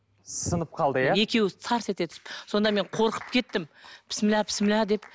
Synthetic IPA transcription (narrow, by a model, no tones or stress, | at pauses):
sənəp̚qʰɑlˠd̪əjae̞kʲe̞wɪsʰɑɾset̪eʏ̥sɪpso̞nd̪ɑme̞ɴqʰo̞ɾqə̥p̚kʲʰe̞t̪ːɪmpʰɪ̥smɪlæpʰɪ̥smɪlæd̪e̞p